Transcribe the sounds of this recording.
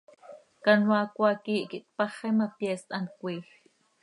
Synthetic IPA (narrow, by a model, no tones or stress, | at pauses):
kɑnwɑːkʷɑkiːʔkiʔt̪̚pɑχɛmɑpjɛst̪ʔɑnkʷiːx